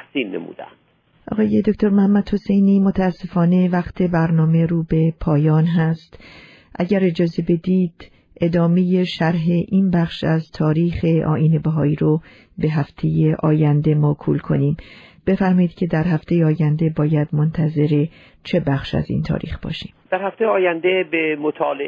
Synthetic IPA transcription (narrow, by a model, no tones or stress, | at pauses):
æhsiːlnḛmṵːd̪æ̰nd̪̥ | ʔɒ̰ːɣɒːje̞d̪o̞cʰʲt̪ʰo̞ɾmæhæmːæd̪̥ho̞sejniːmo̞t̪ʰææsːe̞fɒːne̞væxt̪ʰe̞bæɾnɒːme̞ɾuːbe̞pʰɒːjɒːnɦæst̪ | ʔæɟæɾe̞d͡ʒɒːze̞be̞d̪iːd̪̥ | ʔe̞d̪ɒːme̞je̞ʃæɾɦe̞ʔiːnbæχʃæzt̪ʰɒːɾiːxe̞ʔɒ̰ːʔiːne̞bæɦɒːiːɾo | be̞ɦæft̪ʰe̞jeʔɒːjænd̪e̞mɒːkʰṵlkʰo̞̰niːmb̥e̞fæɾmɒːjiːd̪̥̚cʰe̞d̪æɾhæft̪ʰe̞jeɒːjænd̪e̞bɒːjæd̪mo̞nt̪ʰæze̞ɾe̞ | t͡ʃʰe̞bæxʃæ̰zḭːnt̪ʰɒ̰ːɾḭːxb̥ɒ̰ːʃi̥ːmd̪̥æɾhæft̪ejeɒːjænd̪ebemot̪ʰɒːle